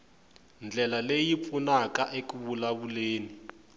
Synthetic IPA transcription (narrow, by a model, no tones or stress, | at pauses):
nd͡ɮʱɛlalejip̪funakaʔekuβulaβuleːni